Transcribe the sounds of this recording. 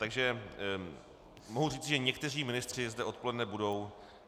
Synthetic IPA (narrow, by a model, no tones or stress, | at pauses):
t̪aɡʒɛ | moɦuriːt͡sɪʒɛɲɛkt̪ɛr̝iːmɪnɪst̪r̝̥ɪzdɛʔo̞t̪̚po̞lɛdnɛbudo̞w